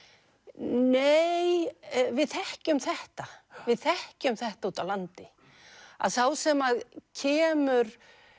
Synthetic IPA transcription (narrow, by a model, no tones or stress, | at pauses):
neːjvɪðθɛhcʏmθɛht̪avɪðθɛhcʏmθɛht̪auːt̪awlant̪ɪ | a̰ðsawsɛmaðcʰɛːmʏɾ̥